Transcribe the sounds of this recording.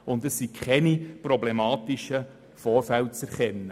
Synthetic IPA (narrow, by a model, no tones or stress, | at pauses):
ʊndɛsːikʰχɛniprɔblemɑːt̪iʃə | fɔːɾfæl̚t͡sɛɾχɛnːə